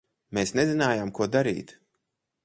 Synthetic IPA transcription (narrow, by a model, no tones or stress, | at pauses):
meːsnezinaːjaːmkuɔd̪aɾḭːt̪